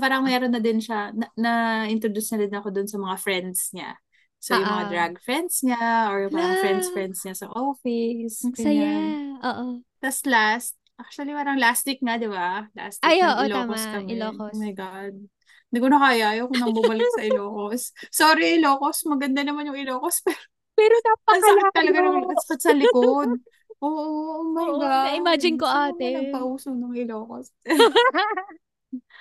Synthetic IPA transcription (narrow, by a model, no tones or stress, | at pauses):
paːɾɐŋmɛɾonːɐd̪ɪnʃanɐnɐɪnt̪ɾod̪usnɐd̪ɪnɐko̞d̪onsɐmɐŋafɹɛnd̪sɲa̰ | sojʊŋmɐŋad̪ɾaɡfɹɛnd̪sɲaʔoɹjʊŋmɐŋafɹɛnd̪sfɹɛnd̪sɲasɐ̰ʔofɪsaoʔt̪ɐslast̪̚ʔak̚ʃʊɐlipaːɾɐŋlast̪ɪk̚ŋad̪ɪbala̰st̪ɪoʔɪloːkoskɐmmajɡad̪̚ | ɪnd̪ikonɐkaːjaːjokʊŋnɐbʊmɐlɪksɐʔɪloːkosːoːɾɪʔɪlo̞ːkosmɐɡɐnd̪anɐmanjʊŋɪloːkospɛːɾo | pɛːɾot̪apɐɐɐt̪ɐlɐɡanɐmɐk̪ɐspɐt̪̚sɐlɪkod̪̚ | ʔoːʔoomaːɡaɪmaːd͡ʒɪnkoʔaːnɛɐɐɡ̚pɐʔuːsoŋnʊŋɪloːkos